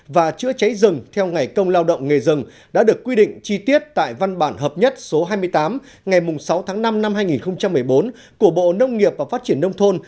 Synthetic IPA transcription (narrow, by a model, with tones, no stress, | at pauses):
vaː˨˩t͡ɕɨ̰˧˥ət͡ɕa˨˦jzɨ˨˩ŋt̪ʰɛ˧wŋa˨˩jkə˧wŋ͡mlaː˧wɗə̰˧˨wŋ͡mŋe˨˩zɨ˨˩ŋ | ɗa̰ː˧˥ɗɨ˨˩əkːwi˧ɗḭ̈˧˨ŋ̟t͡ɕi˧t̪i˦˥ət̚t̪a̰ː˧˨jva˧nɓaː˧˩nɦəː˨˩p̚ɲə˦˥t̚so˨˦ɦaː˧jmɨ˧əjt̪aː˨˦m | ŋa˨˩jmʊ˨˩ŋ͡msa˨˦wt̪ʰaː˨˦ŋna˧mna˧mɦaː˧jŋi˨˩nxə˧wŋ͡mt͡ɕa˧mːɨ˨˩əjɓo˨˦n | ku˧˩əɓo̰˧˨nə˧wŋ͡mŋi˨˩əp̚vaː˨˩faː˦˥t̚t͡ɕi˧˩ənːə˧wŋ͡mt̪ʰo˧n